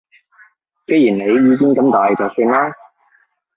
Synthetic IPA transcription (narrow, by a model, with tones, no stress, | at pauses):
ke˨˥jiː˨˩nne˨˧jɥyː˨˧ki˥nkɐ˨˥mt̪aː˨jt͡sɐ˨wsiː˧ŋlaː˥